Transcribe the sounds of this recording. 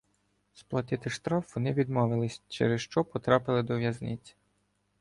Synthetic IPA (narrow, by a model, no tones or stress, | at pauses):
splˠɐt̪ɪt̪ɪʃt̪ɾɑfʋɔnɪʋʲid̪mɔʋɪlˠɪsʲt͡ʃḛɾɛsʃt͡ʃɔpɔt̪ɾɑpɪlˠɪd̪ɔʋjɐznɪt͡sʲi̥